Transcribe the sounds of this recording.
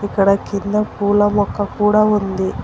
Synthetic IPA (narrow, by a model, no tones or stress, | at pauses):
ikːɐɽɐkːind̪ɐkuːlɐmɔkːɐkuːɽaːund̪i